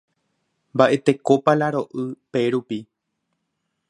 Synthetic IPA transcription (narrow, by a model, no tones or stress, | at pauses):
mbaʔe̞t̪e̞ko̞palaɾo̞ʔɨpe̞ɾupi